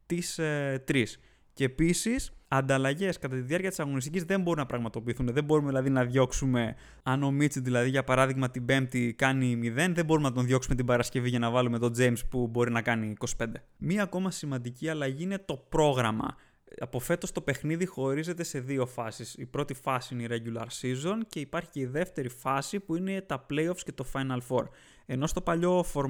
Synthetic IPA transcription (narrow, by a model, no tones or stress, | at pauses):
t̪ist̪ɾis | ceepisisɐnd̪ɐlɐʝe̞skɐt̪ɐt̪iðiɐɾcɐt̪i̥sɐɣo̞nist̪icizðe̞mbo̞ɾinɐpɾɐɣmɐt̪o̞piːθunðe̞bo̞ɾumeðilɐðinɐðʝo̞ksume̞ | ɐno̞mit͡siðilɐðiʝɐpɐɾɐðiɣmɐt̪ibe̞mp̚t̪ikɐnimiðe̞nðembo̞ɾumnɐt̪o̞nðʝo̞ksume̞t̪ibɐɾɐsce̞viʝɐnɐvɐlume̞t̪o̞d͡zejmspubo̞ɾinɐkɐniːko̞si̥pe̞nd̪emiɐːko̞mɐsimɐnd̪iciɐlɐʝiine̞t̪o̞pɾo̞ɣɾɐmɐ̰ | ɐpo̞fe̞t̪o̞st̪o̞pe̞xniðixo̞ɾize̞t̪e̞se̞ðio̞fɐsisipɾo̞t̪ifɐsiineiɾe̞ɟulɐ̰ɾsizo̞nce̞ipɐɾçi̥ce̞iðe̞ft̪e̞ɾifɐsipuine̞t̪ɐple̞jo̞fscet̪o̞fɐjnɐlfo̞ɾ | e̞no̞st̪o̞pɐʎo̞fo̞ɾ